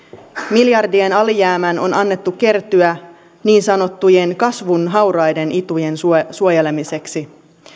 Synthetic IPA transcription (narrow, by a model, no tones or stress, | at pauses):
miljɑrdie̞nɑlijæːmæno̞̰nɑnːe̞t̪ːuke̞rt̪yæ | niːnsɑno̞t̪ːuje̞nkɑsʋunɦɑwrɑjde̞nʔit̪uje̞nsusuojele̞mise̞ksi